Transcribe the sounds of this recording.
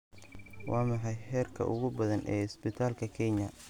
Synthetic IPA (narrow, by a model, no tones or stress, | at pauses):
wɑːmɑħɑjħɛːrkʰɐ̰ʔʊ̰ɣʊbɐðɐnʔɛ̰ːɪsbɪt̪ʰaːlkʰɐkʰɛɲɐ